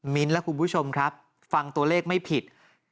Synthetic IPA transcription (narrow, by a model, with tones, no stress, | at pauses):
mi˦˥nlɛ˦˥kʰu˧npʰu˦˥t͡ɕʰo˧mkʰɾa˦˥p̚ | fa˧ŋt̪u˧ɐleː˥˩k̚ma˥˩jpʰi˨˩t̪̚